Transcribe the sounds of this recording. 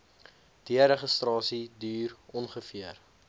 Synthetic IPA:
d̥iəɾəχəstrɑːsidyːrɔnχəfiər

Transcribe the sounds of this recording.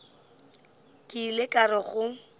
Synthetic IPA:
kʼɪlɪkʼarɪχʊ

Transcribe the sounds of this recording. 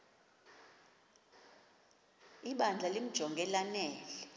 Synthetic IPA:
iɓand͡ɮʱalim̩d̥ʒ̥ʱɔŋɡʱɛlanɛːlɛ

